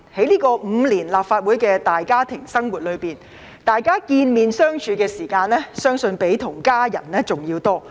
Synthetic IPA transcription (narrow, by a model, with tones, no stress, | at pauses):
he˨˥jliː˥kɔː˧m̩ː˨˧liː˨˩nlaː˨p̚faː˧t̚wuː˨˥jkɛː˧t̪aː˨jkaː˥t̪ʰɪ˨˩ŋsɐ˥ŋwuː˨t̚lɵ˨˧ɥpiː˨˩n | t̪aː˨jkaː˥kiː˧nmiː˨nsœː˥ŋt͡ʃʰyː˨˧kɛː˧siː˨˩kaː˧nlɛː˥sœː˥ŋsɵ˧npe˨˥jt̪ʰʊ˨˩ŋkaː˥jɐ̰˨˩nlɛː˥t͡sʊ˨ŋjiː˧wt̪ɔː˥